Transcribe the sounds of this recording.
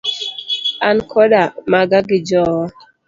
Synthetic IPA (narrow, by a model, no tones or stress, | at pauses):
ankʰɔɗamaɡaɡid͡ʒɔw